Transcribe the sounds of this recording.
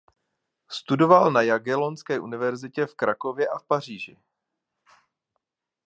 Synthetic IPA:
st̪udo̞valnajaɡɛlo̞nskɛːʔunɪvɛɾzɪcɛfkɾako̞vjɛʔafpar̝iːʒɪ̰

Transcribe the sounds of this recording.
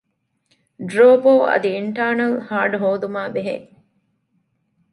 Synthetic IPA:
ɖɾoːboːʔɐ̰d̪iiɳʈaːnɐlhaːɖuɦoːd̪umaːbeɦḛ

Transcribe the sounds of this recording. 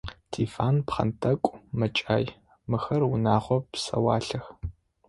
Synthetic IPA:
tʰiːfaːnpχɐ̰ntʰɐkʷʼmɐt͡ʃʼaːj | mɨxɐrwʊnaːʁʷɔpsɐ̰wɑːɬɐx

